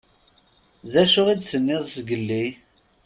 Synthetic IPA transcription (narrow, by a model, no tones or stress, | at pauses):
ðæʃʊʁid̪θənːɪðˤsɡəlːi